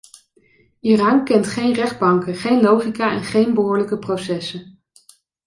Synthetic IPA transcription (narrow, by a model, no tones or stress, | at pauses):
iːrɑːŋkɛntχejnrɛχd̚bɑŋkəχejnlowχikaːɛ̰nχejnbəɦʊːɹləkəprowsɛsən